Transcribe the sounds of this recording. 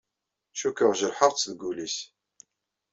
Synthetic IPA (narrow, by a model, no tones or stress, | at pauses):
ʃukəʁʒəɾħəʁˤt͡sːðɡulis